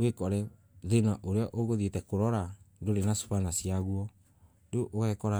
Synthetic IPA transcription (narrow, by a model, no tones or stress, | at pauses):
wekɔɾɛ | ðenaʔoɾeɔʔoɣoðetɛkoɾɔɾandoɾenasu̥panasiaɣuɔ | doʔoɣɛkɔɾa